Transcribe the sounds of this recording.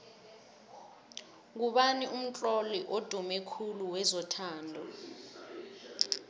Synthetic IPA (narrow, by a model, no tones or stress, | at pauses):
k̬uɓanium̩t͡ɬʼɔliʔod̥ʱumɛkʰuluwɛzɔtʰaːndʱɔ